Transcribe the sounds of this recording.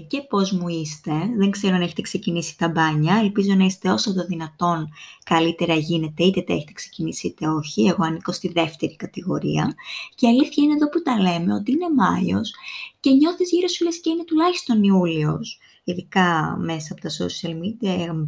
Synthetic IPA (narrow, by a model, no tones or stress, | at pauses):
ce̞po̞zmuist̪e̞ðe̞ŋkse̞ɾoneçet̪eksecinisi̥t̪ɐbɐɲɐe̞lpizo̞nɐist̪e̞o̞sɐt̪oðinɐt̪o̞nkɐlit̪e̞ɾɐʝine̞t̪e̞it̪et̪ḛçet̪e̞kse̥cinisiit̪e̞o̞çie̞ɣo̞ɐniko̞st̪iðe̞ft̪e̞ɾikɐt̪iɣo̞ɾḭɐceɐliθçɐineðo̞put̪ɐle̞me̞o̞t̪iine̞mɐjo̞̰sce̞ɲo̞θizʝiɾo̞sfilesce̞ine̞t̪ulɐçist̪o̞niulio̞s | iðikɐme̞sɐpo̞t̪ɐso̰siɐlmid̪iɐ